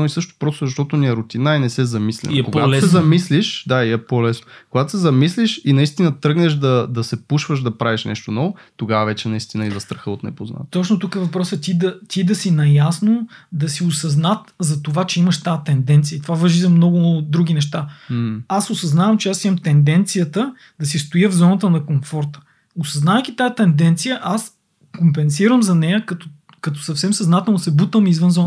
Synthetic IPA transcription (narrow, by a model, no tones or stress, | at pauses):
oisɤʃt̪o̥pɾɔst̪ʊzɐʃt̪ɔt̪ʊniɛɾʊt̪inainɛsɛzɐmislʲɛ̰nkopatsɛzɐmisliʃd̪aiɛpolɛsnokoɡat̪o̥sɛzɐmisliʃinɐist̪inət̪ɾɤɡnɛʃd̪ɐd̪ɐsɛpuʃvəʃd̪ɐpɾaviʃnɛʃt̪onɔvo | t̪oɡavɐvɛt͡ʃɛnɐist̪inəizɐst̪ɾɐxəot̪nɛpozna̰t̪t̪ɔt͡ʃnot̪ukəɛvɐpɾɔsət̪ʲid̪ɐt̪id̪ɐsinɐjasnod̪ɐsiosɐznat̪zɐt̪ovat͡ʃɛimɐʃt̪aət̪ɛnd̪ɛnt̪sijəit̪ovavɐʒizɐmnɔɡʊd̪ɾuɡ̟ʲinɛʃt̪a | asosɐznavəmt͡ʃɛasimɐmt̪ɛnd̪ɛnt̪sijət̪ə | d̪ɐs̬ist̪ojəvzɔnət̪̬ənɐkomfɔɾt̪ə̥ | osɐznavəjk̟it̪aət̪ɛnd̪ɛnt̪sijəʔas | kompɛnsiɾəmzɐnɛjəkɐt̪ | kɐt̪ɔ̥sɐfsɛmsɐznat̪ɛlˠnsɛbut̪vəmizvənzɔn